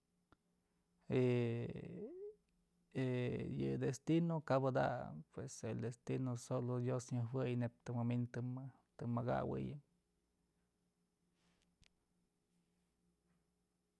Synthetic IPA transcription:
e | ejɨ̰d̪est̪inokabɨd̪a̰pweseld̪est̪inosolod̪josɲɨhwɨjnep̚t̪ɨmamint̪ɨ | t̪ɨmaɡa̰wɨ̰jɨm

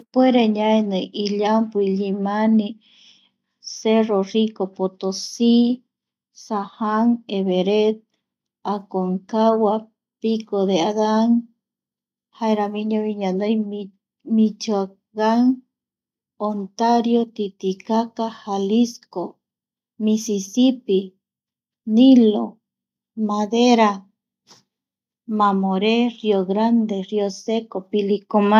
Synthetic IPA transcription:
pueɾeɲaenɨʔiʎampuiʎimani | serorikopot̪osi | sahaŋeβeɾet̪̚ | akoŋkawa | pikoðeaðaŋ | haeɾamĩɲaβiɲanoj | mit͡ʃoa | ɣaŋ | ont̪aɾjot̪it̪ikakahalisko | misisipi | nilo̰ | maðeɾa | mamoɾeɾioɣɾand̪eɾiosekopilikoma

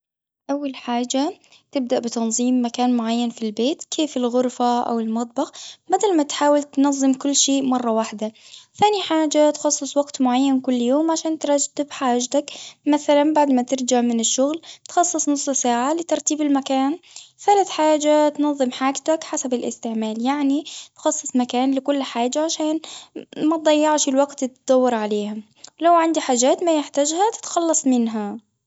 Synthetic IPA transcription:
ʔawːalħaːd͡ʒa | t̪ɪb̚d̪aʔbɪt̪ɑnðˤiːmːakaːnmʊʕajːanfilbeːt̪kʰeːfɪlɣʊɾfaʔa̰wɪlmɑt̪̚ˤbɑxbad̪almat̪ħaːwalt̪nɑðˤːɨmkʊlːʃeːʔmɑrˤːɑwaħd̪aθaːniħaːd͡ʒat̪xɑsˤːɨsˤwaɡt̪mʊʕajːankʊlːjoːmʕaʃaːnt̪ɾˤɑd͡ʒt̪ːɪbħaːd͡ʒt̪akmaθalanbaʕd̪mat̪ɪɾd͡ʒaʕmɪnɪʃːʊɣlt̪xɑsˤːɨsˤnʊsˤːsaːʕalɪt̪ɑɾˤt̪iːbɪlmakaːnθalaθħaːd͡ʒat̪nɑðˤːɨmħaːɡt̪akħasabɪlʔɪ̰st̪ɪʕmaːljaʕnit̪xɑsˤːɨsˤmakaːnlɪkʊlːħaːd͡ʒːaʕaʃaːnmat̪̚d̪ˤɑjːɑʕʃɪlwaɡt̪t̪d̪̥ɑwːɑɾʕaleːha | lawʕand̪iħaːd͡ʒaːt̪majɪħt̪ad͡ʒhat̪ɪ̥t̪xɑlːɑsˤmɪnɦa

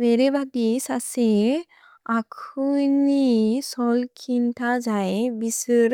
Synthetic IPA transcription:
ʋeɾebʱaɡisase | akʰunisɔlkʰint̪ʰad͡zaebisɾ

